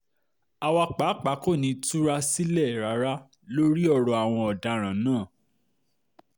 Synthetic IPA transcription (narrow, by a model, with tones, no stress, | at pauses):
a˧wa˧k͡pa˨˦k͡pa˨˦ko˦˨nĩ˨˧tu˦ɾa˦si˦lɛ˦˨ɾa˨˦ɾa˦ | lo˦ɾi˦ɔ˦˨ɾɔ˨a˨w̃ɔ̃˧ɔ˨da˧ɾ̃ã˨˦nãː˦˨